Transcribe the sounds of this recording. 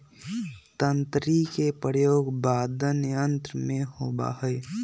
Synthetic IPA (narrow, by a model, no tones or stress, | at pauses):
t̪ənt̪ɾikepəjoːɡbaːd̪ənɪjə̃nt̪ɾmẽhoːba̰ɦɛj